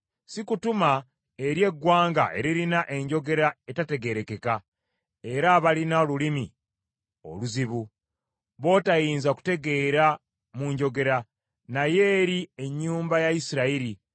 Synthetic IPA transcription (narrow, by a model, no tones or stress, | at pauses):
sikutuma | e̞ɾje̞ɡːwaːŋɡa̰ʔe̞̰ɾiɾinaʔe̞ɲɟo̞ɡe̞ɾae̞tate̞ɡe̞ɾe̞ke̞ka | e̞ɾaːβalinaolulimḭ | o̞̰luziβu | βo̞ːtajiːnzaku̥te̞ɡe̞ɾa | muɲɟo̞ɡe̞ɾa | naje̞ːɾie̞ɲːuːmbajaisiɾaiɾi